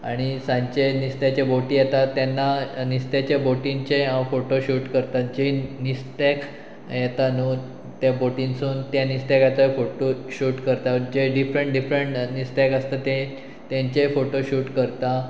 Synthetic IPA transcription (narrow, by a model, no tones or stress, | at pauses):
a̰ɽ̃isãɲt͡ɕenist̪jat͡ɕeboʈijet̪at̪ːjanːanist̪jat͡ɕeboʈint͡ɕeɦãwfoʈoɕuːʈkəɾt̪at̪̚d͡ʑenist̪ek | jɛt̪anuː | t̪jaboʈinsuːnt̪janist̪akjat̪əfoʈoɕuːʈkəɾt̪ad͡ʑeɖifɾəɳʈɖifɾəɳʈnist̪akəst̪at̪e | t̪jaɲt͡ɕefoʈoɕuːʈkəɾt̪a